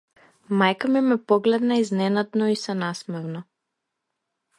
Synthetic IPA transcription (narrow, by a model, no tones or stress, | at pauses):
majkamɛmɛpɔɡlɛd̪naiznɛnad̪nɔisɛnasmɛvnɔ